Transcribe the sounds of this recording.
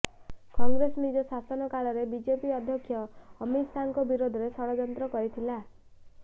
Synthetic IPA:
kɔŋɡɾesɔnid͡ʒɔsasɔnɔkalɔɾebid͡ʒepiɔd̪ʱjɔkʰːjɔːmisʰaŋkɔbiɾod̪ʱɔɾesɔɽɔd͡ʒɔnt̪ɾɔkɔɾit̪ʰila

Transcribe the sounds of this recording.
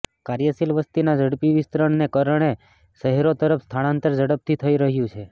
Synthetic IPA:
kaɾjasilʋəst̪inad͡ʒəɽpiʋɪst̪ɾəɳnekəɾəɳ̃e | səɦɛɾot̪əɾəpʰst̪ʰanant̪əɾd͡ʒəɽəp̚t̪ʰit̪ʰəiɾəɦjũt͡ʃʰe

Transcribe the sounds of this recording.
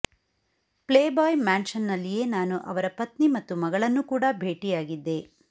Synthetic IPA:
pleːbaːjmaːnʃɐnːɐlːije̞ːnaːnuʔɐʋɐɾɐpɐt̪nimɐt̪ːumɐɡɐɭɐnːukuːɽɐbʱe̞ːʈijaːɡid̪ːe̞

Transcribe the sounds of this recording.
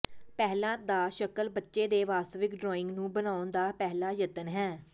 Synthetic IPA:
pɛːlãːd̪aːʃəkəlbətːʃeːd̪eːʋaːst̪əʋɪkɖɾɔːɪ̃ŋɡnũːbənaːʊnd̪aːpɛːlaːjət̪ənɦɛː

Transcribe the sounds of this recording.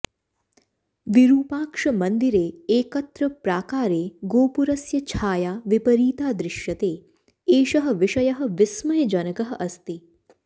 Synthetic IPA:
ʋiɾuːpaːkʂɐmɐnd̪iɾeːeːkɐt̪ɾɐpɾaːkaːɾeːɡoːpuɾɐsjɐt͡ʃʰaːjaːʋipɐɾiːt̪aːd̪ɾɪʃjɐt̪eː | eːʃɐɦɐ̆ʋɪʃɐjɐɦɐ̆ʋɪsmɐɦed͡ʒɐnɐkɐɦɐ̆ʔɐst̪i

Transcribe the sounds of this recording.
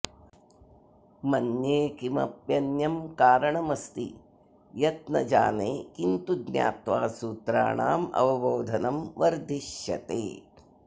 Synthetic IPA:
mɐnjeːkimɐ̰pjɐnjɐmkaːɾɐɳɐmɐst̪ḭ | jɐt̪̚nɐd͡ʒa̰ːneːkint̪uɡnja̰ːt̪ʋaːsuːt̪ɾa̰ːɳa̰ːmɐ̰ʋɐʋoːd̪ʱɐnɐmʋɐɾd̪ʱiʃjɐ̰t̪ḛː

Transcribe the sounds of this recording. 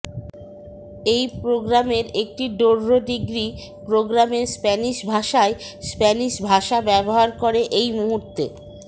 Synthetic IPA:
ejpɾoɡɾameɾek̚ʈiɖoɾːoɖiɡɾi | pɾoɡɾameɾspɛniʃbʱaʃaespɛniʃbʱaʃabɛboɦaɾkoɾeʔejmuɦuɾt̪e

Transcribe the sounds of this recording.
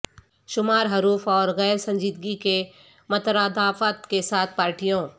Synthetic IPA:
ʃʊmaːɾɦɐɾuːfɔːɾɣɛːɾsɐ̃ɲd͡ʒiːd̪ɡike | mɐt̪ɾaːd̪aːfət̪kesaːt̪̚ʰpaːɾʈijõː

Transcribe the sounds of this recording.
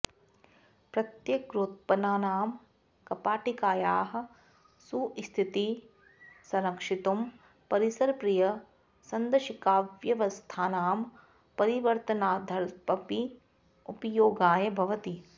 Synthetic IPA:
pɾɐt̪jɐkɾoːt̪̚pɐnaːnaːm | kɐpaːʈikaːjaːɦɐ̆ | sust̪ʰit̪i | sɐɾɐkʂit̪um | pɐɾisɐɾpɾijɐ | sɐnd̪ɐʃikaːʋjɐʋɐst̪ʰaːnaːm | pɐɾiʋɐɾt̪ɐnaːd̪ʱɐɾpɐpi | upɐjoːɡaːjɐbʱɐʋɐt̪i

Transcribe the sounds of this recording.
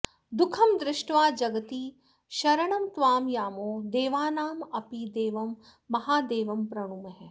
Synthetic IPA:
d̪ʊkʰɐmd̪ɾɪʃʈʋaːd͡ʒɐɡɐt̪iː | ʃɐɾɐɳɐmt̪ʋaːmjaːmoːd̪eːʋaːnaːmɐpid̪eːʋɐmː | ɐɦaːd̪eːʋɐmpɾɐɽ̃umɐɦɛ

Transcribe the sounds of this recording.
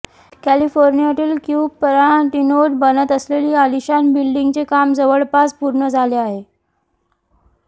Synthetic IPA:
kælifoɾnijaʈ̪iːlkjubpəɾaʈinoʈ̚bənət̪əsleliːaliɕanbilɖiŋɡt͡sekamd͡zəʋəɭpat͡spuɾɳəd͡zʱaleaɦe

